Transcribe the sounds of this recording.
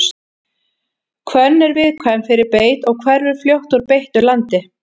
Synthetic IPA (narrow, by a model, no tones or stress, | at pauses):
kʰvœnːɛɾvɪðkʰvɛmfɪɾɪɾpeːjt̪ɔɣkʰvɛɾvɪɾ̥fljowht̪ʊɾpejht̪ʏlant̪ɪ